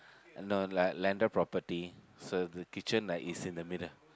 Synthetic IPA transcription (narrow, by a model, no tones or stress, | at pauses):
anolajklɛ̃ndəpɹɔpəti | sodəkit͡ʃə̃naʔisĩndəmidəl